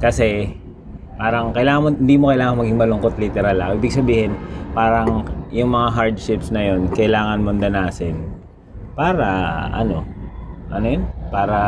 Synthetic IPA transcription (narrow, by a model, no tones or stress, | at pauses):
kɐsɛ | paːɾɐŋkɐjlaːŋɐmoɪnd̪iːmokɐjlaːŋɐŋmɐɡiŋmɐlʊŋkot̪lɪt̪ɛɾalɐkʔiːbɪɡ̚sɐbiːhɪnpaːɾɐŋjʊŋmɐŋaɦaɹd̪ʃɪpsnɐjo̞nkɐʔɪlaːŋɐnmond̪ɐnaːsɪn | paːɾɐʔɐ̰no̞ʔɐnojonpaːɾɐ